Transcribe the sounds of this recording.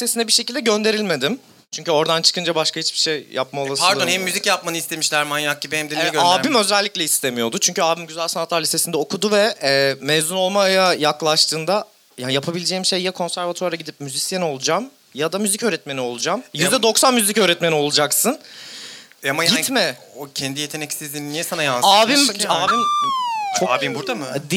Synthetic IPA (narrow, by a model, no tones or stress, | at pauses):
it̪ʰːe̞sinɛbiɾʃecʰilʲd̪ɛɟø̞nd̪e̞ɾilʲme̞d̪im | t͡ʃʰyɲcʰyo̞ɾd̪ant͡ʃʰɯ̥kʰɯnd͡ʒabaʃkahit͡ʃbi̥ʃejja̰p̚maolˠasɾd̪onhɛmːyzicjapmanɯist̪ʰe̞miʃlʲæɾmanjak̚ɟibihɛmd̪eɛɡøaːimø̞zælʲːiclʲɛist̪ʰe̞mijo̞d̪ut͡ʃʰyɲcʰyaːbimɟyzælʲsanat̪lˠaɾlʲise̞sind̪ɛokʰud̪uvɛmɛːzuno̞lˠmajajaklˠaʃt̪ʰɯːnd̪a | jaːnijapʰabilʲed͡ʒeːimʃejːakʰo̞nsæɾvat̪ʰaɾaɟid̪ip̚myzisjeno̞lˠud͡ʒam | jad̪amyzicøɾɛt̪me̞nio̞lˠud͡ʒamjyzd̪ɛd̪o̞ksanmyzicøːɾɛt̪me̞nio̞lˠud͡ʒaksɯn | amajaɟint̪mɛocʰɛnd̪ijet̪ʰeɛcsizinnijɛsanajalaːvimaːvimt͡ʃʰoaːbimbuɾd̪amɯd̪